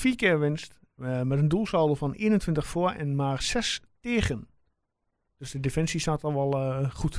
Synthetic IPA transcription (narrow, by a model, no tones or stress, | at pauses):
fiːəkɪəɹʋɪnst | mɛtəndulˠsoːdəfɔnḛːnəntʰʋɪntəxfoəɛ̰nmaːrsɛstɪːɣən | d̥øsdədefɛnsistaːtɔʋɔlˠχut